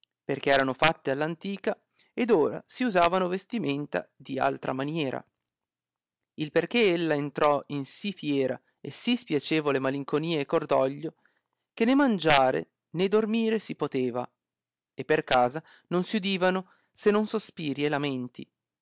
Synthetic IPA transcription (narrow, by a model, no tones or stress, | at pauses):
perk̟eɛːɾanofat̪ːealːant̪iːka | ed̪oːɾa̰siuzaːvanovest̪iment̪a̰d̪ia̰lt̪ɾʔa̰manjɛːɾa̰ | ilperk̟eelːaent̪ɾɔinsifjɛːɾa̰ | esispjat͡ʃeːvolemaliŋkoniːaekːord̪ɔʎːo | k̟enemand͡ʒaːɾḛ | ned̪ormiːɾesipot̪eːva | epːerkaːza | nonsiud̪iːvano | senːonsospiːɾielament̪ḭ